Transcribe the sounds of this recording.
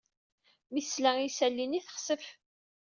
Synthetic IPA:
mislæisælːiniθə̥χsəf

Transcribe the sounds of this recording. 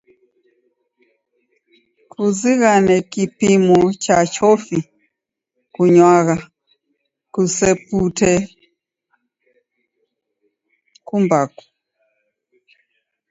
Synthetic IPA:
kʰuziɣanɛkipimɔt͡ʃat͡ʃɔfi | kuɲwaɣa | kusɛputɛ | kumbaku̥

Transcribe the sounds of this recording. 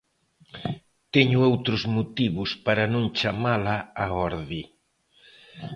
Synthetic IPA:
t̪ɛɲʊowt̪ɾʊzmot̪iβʊspaɾɐnõŋt͡ʃamalaaɔɾði

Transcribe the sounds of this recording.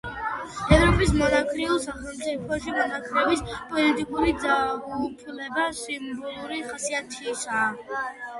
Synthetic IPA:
ɛvɾɔpʼismɔnakʰɾiulˠsaχɛlˠmt̪sʼipʰɔʃimɔnakʰɾɛbispʼɔlit̪ʼikʼuɾid̪zaɡupʰlɛbasimbɔlˠuɾiχasiat̪ʰiːsaː

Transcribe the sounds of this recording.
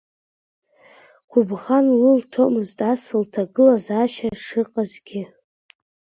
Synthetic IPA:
ɡʷʰʊbʁanlultʰomɨztʼasɨltʰaɡɨlazaʃaʂɨqʼazɡʲɪ

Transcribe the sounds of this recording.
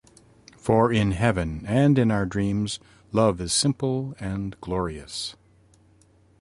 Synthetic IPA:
fə˞ɪ̃nɦɛvɨ̃nɨ̃nɨ̃naʊə˞dɹĩmz | lʌvɨz̥sɪ̃mpl̩ˠɨ̃nɡ̥lɔɹiɨ̰s

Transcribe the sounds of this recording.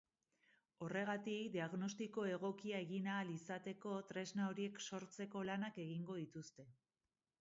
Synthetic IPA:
o̞re̞ɣat̪ikd̪iaɣno̞st̪iko̞e̞ɣ̞o̞kiae̞ɣinaːlisat̪e̞ko̞t̪ɾe̞znao̞ɾie̞kso̞ɾt͡se̞ko̞lanake̞ɣiŋɡo̞ðit̪ust̪e̞

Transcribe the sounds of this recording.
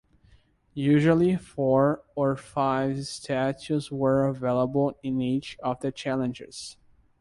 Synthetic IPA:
jʉʒəl̩ˠifɔɹə˞faɪv̥stʰæt͡ʃuswə˞əveɪlˠəbəl̩ˠɪ̃nit͡ʃʌvðɨt͡ʃʰælˠɨ̃nd͡ʒɪ̰z̥

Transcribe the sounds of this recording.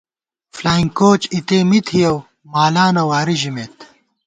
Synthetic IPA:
flaːiŋkoːt͡ɕit̪eːmit̪ʰhijɐw | maːlaːnɐwaːɾiʑimeːt̪

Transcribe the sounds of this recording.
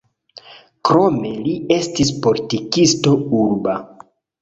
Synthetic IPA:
kɾo̞me̞lie̞stispo̞litikisto̞uɾba

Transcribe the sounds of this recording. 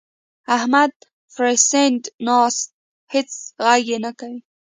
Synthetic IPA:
ahmad̪ | fɾesendnɑst̪̚ | hɪt͡sɣaɡenakawi

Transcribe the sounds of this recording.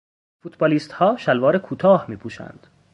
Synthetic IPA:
fut̪ʰbɒːliːst̪hɒːʃælvɒːɾekʰuːt̪ʰɒːhmiːpʰuːʃæ̰nd̪̥

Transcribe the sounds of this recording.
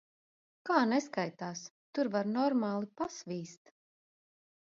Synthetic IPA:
kaːnɛskajt̪aːst̪uɾvaɾnɔɾmaːlˠipasvʲiːst̪

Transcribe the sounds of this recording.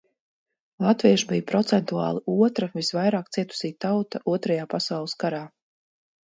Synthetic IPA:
lˠat̪viɛʃbijpɾɔt̪sɛnt̪ua̰ːlˠiʔuɔt̪ɾavisvajɾaːkt̪siɛt̪u̥siːt̪awt̪aʔuɔt̪ɾajaːpasawlˠɨskaɾaː

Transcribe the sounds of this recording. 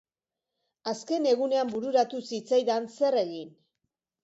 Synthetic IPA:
aske̞ne̞ɣune̞ambuɾuɾat̪usit͡sajðanse̞re̞ɣin

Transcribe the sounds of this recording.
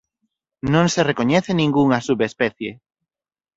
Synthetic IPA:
nõŋserekoɲɛθenĩŋɡuŋasuβespɛθje

